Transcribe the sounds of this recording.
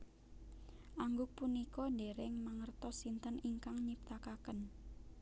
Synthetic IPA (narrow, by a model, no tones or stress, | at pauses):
ʔaŋɡʊk̚punikɔɖeɾɪŋməŋərt̪ɔsint̪əniŋkaŋɲip̚t̪akakən